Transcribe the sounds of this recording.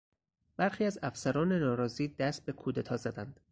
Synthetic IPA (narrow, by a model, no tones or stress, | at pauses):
b̥æɾxiːæzæfsæɾɒːnenɒːɾɒːziːd̪æst̪̚be̞kʰuːd̪et̪ʰɒːzæd̪ænd̪̥